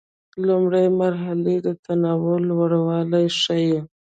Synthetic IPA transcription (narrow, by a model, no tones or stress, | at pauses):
lʊmɽajmaɾɦaled̪ət̪anɑwʊlwaɽawɑlajʂaje